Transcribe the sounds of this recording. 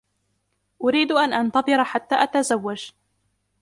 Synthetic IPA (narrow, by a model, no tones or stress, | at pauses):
ʔʊɾiːd̪ʔanʔant̪ɑbˤɨɾaħat̪ːaːʔat̪azawːad͡ʒ